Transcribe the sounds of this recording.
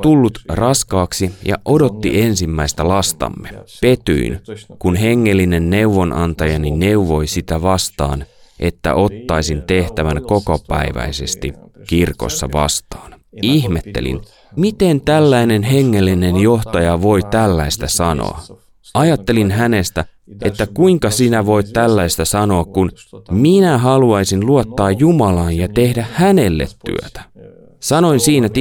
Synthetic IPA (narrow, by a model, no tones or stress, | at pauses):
t̪ulːut̪rɑskɑːksijɑ̰ʔo̞do̞t̪ːie̞nsimːæjst̪ælɑst̪ɑ̰mːepe̞t̪y̰inkunɦe̞ŋːe̞lːine̞nːe̞wʋo̞nʔɑnt̪ɑjɑnine̞uʋo̞jsit̪æʋɑst̪ɑ̰ːnʔe̞̰t̪ːæ̰ʔo̞t̪ːɑjsint̪e̞ht̪æʋænko̞kopæ̰jʋæ̰jse̞st̪ikirko̞̰sːɑ̰ʋɑ̰st̪ɑːn | ihme̞t̪ːe̞̰lḭn | mit̪ent̪ælːæine̞nɦe̞ŋːe̞lːine̞njo̞ht̪ɑjɑʋo̞jt̪ælːæist̪æsɑno̰ɑ | ɑjɑt̪ːe̞linɦæne̞st̪æ | ʔet̪ːækuiŋkɑsinæʋo̞it̪t̪ælːæist̪æsɑno̞ːkkunminæɦɑluɑisinluot̪ːɑːjjumɑlɑːnjɑt̪e̞hdæhhæne̞lːḛt̪ːy̰ø̰t̪æ̥ | sɑno̞insiːnæt̪